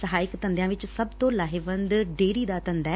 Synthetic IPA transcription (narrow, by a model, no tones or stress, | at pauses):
səɦaːɪkt̪ə̃nd̪jãːʋɪt͡ʃsəbt̪õːlaːɦɪʋə̃nd̪ɖeːɾiːd̪aːt̪ə̃nd̪ɛː